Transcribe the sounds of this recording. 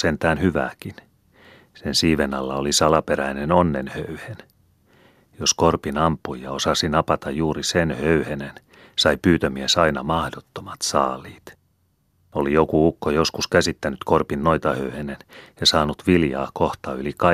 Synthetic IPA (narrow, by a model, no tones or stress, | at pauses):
sent̪æːnhyʋæ̰ːkin | sensiːʋenɑlːɑolisɑlɑpeɾæinenonːenhøyhen | joskorpinɑmpːujjɑosɑsinɑpɑt̪ɑjjuːɾisenhøyhenen | sɑipyːt̪ømiesɑinɑmɑhdot̪ːomɑt̪sɑːlˑiːt̪ | olijokuukːojoskuskæsit̪ːænyt̪korpinːoit̪ɑhøyhenenjɑsɑːnut̪ʋiljɑ̰ːkoht̪ɑylikɑ